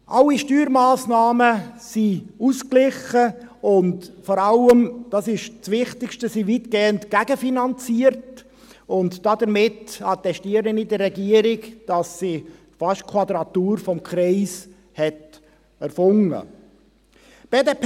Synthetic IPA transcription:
ʔɑlːiʃtyːɾmaːsnɑːməsiusklɪχəʊntfɔɾɑləmd̥ɑːsɪʃt͡sʋɪχt̪ɪkʃtəsiʋitɡ̥eːəntɡ̥æɡəfinɑnt͡siəɾt | ʊntd̥ɑd̪əɾmɪtɑt̪ɛʃtiəɾənidərːɛɡiəɾɪkd̥ɑsːi | fɑʃt̚kʰwɑd̪ɾɑt̪uːɾfɔmkχɾiːs | hɛt | ɛɾfʊŋə̰ | b̥eːdep

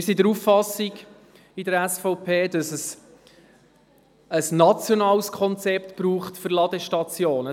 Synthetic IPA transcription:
ɪɾsidəɾufːɑsiɡ | ɪdəɾæsfoʊpʰeːd̥ɑsəs | əsnɑt͡sjɔnɑːlskʰɔnt͡sɛpt̪b̥ɾuːχtfʏɾlɑd̥̪əʃtɑt͡sjoːnə

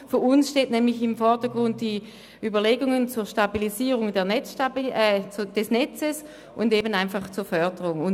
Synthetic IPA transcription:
fyɐʊnsʃteːtnɛːmlɪçɪmfɔɐdəɡ̥ʁʊnt̚d̥i | yːbɐleːɡʊŋənt͡suːɐʃtabiliziːʁʊŋdɛːɐnɛt͡sʃta | d̥ɛsnɛt͡səs | ʔʊndeːbənaɪnfaχt͡suːɐfœɐdəʁʊŋʊn

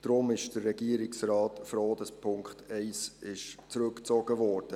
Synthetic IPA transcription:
d̥ɾʊmɪʃd̥ərːɛɡiəɾɪksrɑːtfɾoːd̥əspʰʊŋkχtʰɛɪsɪʃt͡sɾɵkt͡sɔɡ̥əvɔːɾd̥ə

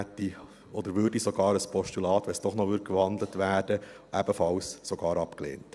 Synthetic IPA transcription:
ɛt̪ːi | ɔd̪əɾʋʏːrdisɔɡɑːɾəspʰɔʃtulɑːt̪ʋɛsd̥ɔχnɔʋʏːɾ̚kʋɑnd̪lətʋæːɾd̥ə | ʔæb̥əfɑwssɔɡɑːɾɑpklḛːnt

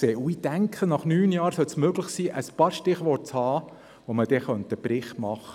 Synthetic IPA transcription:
sɛːʔuid̥æŋkʰχənɑχnyːnjɑːɾsœlsmøɡlɪχsiːʔəspɑːɾʃtɪχʋɔt̚t͡shɑː | ʋoməd̥ɛχœnt̪əb̥ɾɪχtmɑχə

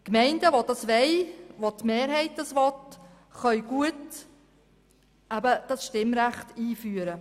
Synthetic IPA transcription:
kmɛɪndəʋod̥ɑsʋɛɪʋot̪meːɾɦɛɪt̚d̥ɑsʋɔt | χœʏɥɡ̥uət | æbəd̥ɑsʃtɪmɾæχtiːfyːəɾə

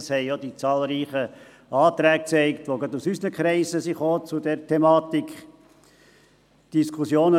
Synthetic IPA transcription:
shɛɪjod̥̪it͡sɑːlɾiːχə | ɑːt̪ɾæːk̚t͡sɛɪkt̪ʋoɡɑt̪usysənəkχɾɛɪsəsiχoːt͡sud̪ɛɾtʰemɑːt̪ikχ | d̥iskʰusjoːnə

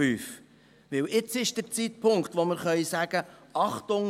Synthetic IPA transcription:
yːf | ʋɪwɪt͡sɪʃd̥əɾt͡sitpʰʊŋkt̪ʋoməɾχœʏsæːɡ̥əɑχt̪ʊŋ

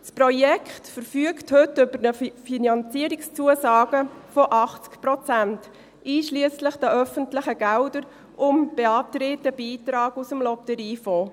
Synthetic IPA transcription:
sprɔjɛkχtfəɾfyəkthʏtʏbəɾnəfinɑnt͡siəɾɪkst͡suəsɑːɡ̥əfɔʔɑχt͡skpɾɔt͡sænt | iːʃliəslɪχd̥æʔœfəntlɪχəɡ̥ældəɾ | ʔʊmb̥eɑːtɾeːtəbiːtɾɑːɡusəmlɔptəɾiːfoː

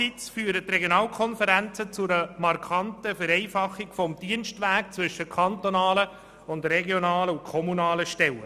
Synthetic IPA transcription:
it͡sfyːɾətːrɛɡjonɑːlkʰɔnfəɾænt͡sət͡sʊɾəmɑɾkʰɑntəfɛɾɛɪfɑχːɪkfɔmd̥iənʃtʋæːk̚t͡sʋʏʃəkʰɑntonɑːlə | ʊndrɛɡjonɑːləʊnkʰɔmunɑːləʃtɛlə̰

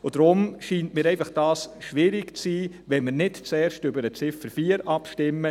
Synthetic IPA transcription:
ʊd̥ɾʊmʃiːntmiːɾɛɪfɑχd̥ɑːsʃʋɪɾɪkt͡siː | ʋɛnməɾnɪtt͡sɛːɾʃtʏbəɾət͡sɪfəɾfiːəɾɑpʃtɪmːə

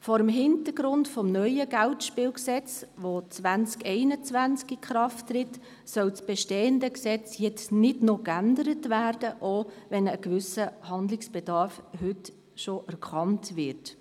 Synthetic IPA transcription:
fɔːɾəmɦɪntəɾɡɾʊntfɔmnœʏəɡ̥æltʃpɪːwksɛt͡sʋot͡sʋænt͡skɛɪnət͡sʋænt͡skikχɾɑftːɾɪt | sœwt͡sb̥ɛʃteːəndəksɛt͡sjɛt͡snɪdnokændəɾətvæːrd̥əʔoːvɛnəkvʏsəhɑndlɪksb̥ɛdɑɾfhʏt | ʃoʔæɾkʰχɑntvɪɾt

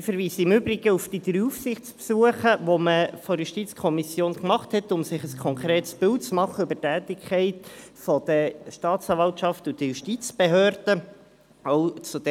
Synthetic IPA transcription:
fəɾviːsəɪmʏbɾɪɡ̥əufd̥̪id̪ɾyufsɪχtt͡spsuəχəʋɔməfɔɾjuʃtit͡skʰɔmisjoːnkmɑχthɛtʊmsɪχəskʰɔŋkɾeːtsb̥ɪltt͡smɑχːəøbətæːt̪ɪkʰχɛɪtfɔd̪̥əʃtɑːtt͡sɑːɾvɑltʃɑftud̥̪əjuʃtit͡sb̥eɦøːrd̥ə | owt͡sud̥̪ɛ

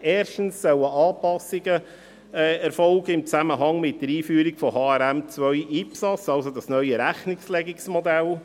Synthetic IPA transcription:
eːɾʃtən̩sːœləʔɑːpɑsɪɡə | ɛɾfɔlɡəɪmt͡sæməɦɑŋmɪt̚dəɾiːfyːɾikfɔhɑːæɾæmt͡sʋœjiːpsɑt͡sɑlsod̪ɑsnœʏəɾæχnɪkslɛɡiksmod̪æl

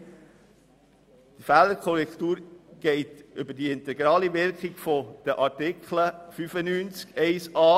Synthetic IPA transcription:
d̥ifæləɾkʰɔɾɛkχt̪uːɾɡ̥ɛɪt̪ʏbədiɪnt̪ɛɡɾɑːliʋɪɾkɪɡ̥fɔd̪̥əʔɑɾtɪkχləfyfənyːnt͡skɛɪsɑː

